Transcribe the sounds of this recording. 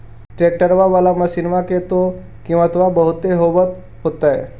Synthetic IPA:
ʈɾek̚ʈəɾʋaʋaːlaməsɪnʋaket̪o | kimət̪ʋabəɦʊt̪ːeɦobət̪ | ɦoːt̪aɛ̰

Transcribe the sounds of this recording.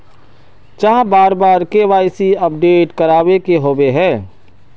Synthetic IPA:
t͡ʃaɦãbaːɾbaːɾkeʋaːɪsiɐp̚ɖeːʈkɐɾaːʋekeɦoːbeɦɛ̃ː

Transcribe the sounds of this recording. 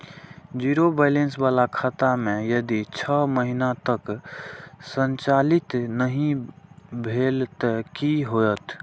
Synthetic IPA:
d͡ʒiːɾobaɪlensbaːlakʰat̪amẽjəd̪it͡ʃʰəməɦinat̪ək | sə̃nt͡ʃaːlit̪nəɦĩbʱeːlt̪əkiɦoːət̪

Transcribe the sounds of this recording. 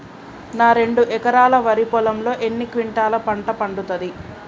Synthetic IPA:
naːɾe̞ɳɖuʔɛkɐɾaːlɐʋɐɾipɔlɐmlo̞ːʔe̞nːikʋiɳʈaːlɐpɐɳʈɐpɐɳɖut̪ɐd̪i

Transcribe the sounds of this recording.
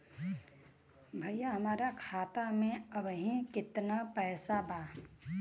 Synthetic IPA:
bʱɐjaɦɐmaːɾakʰaːt̪amẽɐbɦĩkɪt̪napɛːsabaː

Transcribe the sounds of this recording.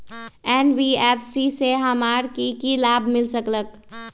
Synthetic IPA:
ɛnbiɛpʰsiseɦəmaːɾkikilaːbʱmɪlsəklək

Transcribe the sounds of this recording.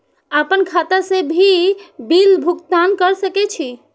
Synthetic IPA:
apənkʰat̪asẽbʱibilbʱukt̪ankəɾsəkɛt͡ʃʰi

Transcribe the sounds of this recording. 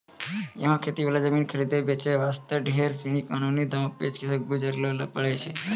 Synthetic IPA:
eɦãkʰet̪iʋəlad͡ʒəminkʰəɾid̪ebet͡ʃeʋast̪əɖʱeɾsiɳ̃ikanunːid̪əmpḛt͡ʃkisək̚ɡud͡ʒaɾiloləpəɭet͡ʃʰe

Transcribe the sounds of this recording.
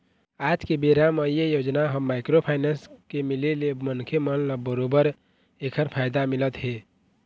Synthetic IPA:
aːd͡ʒkebeɾaməjejoːd͡ʒnaɦəmːaːɪkɾopʰaɪnanskemɪlelemənkʰemənləbəɾobəɾ | ekʰəɾpʰaːjd̪amɪlət̪ɦeː

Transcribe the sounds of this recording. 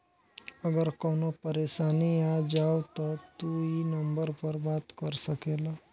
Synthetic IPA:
əɡəɾkoːnopəɾeːʃaːniaːd͡ʒaːot̪ot̪uinəmbəɾpəɾbaːt̪kəɾsəkeːlaː

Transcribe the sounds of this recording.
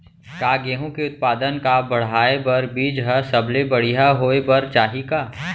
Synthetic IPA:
kaːɡeːɦõkeʊt̪̚paːd̪ənkabɐɽ̤aːebɐɾbiːd͡ʒɦəsɐblebɐɽ̤ijɦaɦoːebɐɾt͡ʃaːɦikaː

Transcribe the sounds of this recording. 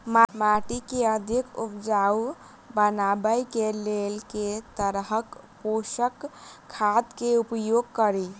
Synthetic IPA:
mamaʈikeəd̪ʱikʰupd͡ʒau | bənabəjkelelket̪əɾɦəkposəkʰːat̪keupjoɡ̚kəɾi

